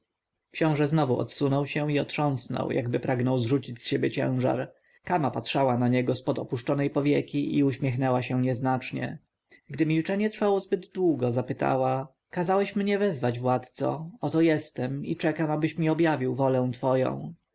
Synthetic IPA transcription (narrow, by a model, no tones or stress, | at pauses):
kɕɔ̃w̃ʐɛznɔvuʔɔ̰t̪sunɔwɕɛ̃iɔt̪ʂɔ̃w̃snɔ̰wjʔa̰ɡbɘpɾaɡnɔwzʐut͡ɕit͡ɕsɕebʲjɛt͡ɕɛ̰̃w̃ʐa̰ɾ | kamapatʂawanaɲɛɡɔspɔd̪ɔpuʂt͡ʂɔnɛjpɔvʲjɛkʲiʔiuɕmʲjɛxnɛwaɕɛɲɛznat͡ʂɲɛ̰ | ɡd̪ɘmʲilt͡ʂɛɲɛt̪ɾfawɔzbɘd̪d̪wuɡɔzapɘt̪a̰wa | kazawɛɕmɲɛvɛzvad͡ʑvwat̪t̪sɔ̰ɔt̪ɔjɛst̪ɛmḭt͡ʂɛkamabɘɕmʲiɔbjavʲiwvɔlɛ̃t̪fɔjɔ̰̃w̃